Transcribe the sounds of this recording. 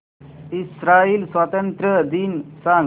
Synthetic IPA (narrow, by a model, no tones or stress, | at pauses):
isɾaiːlsʋat̪ənt̪ɾəd̪iːnsãŋ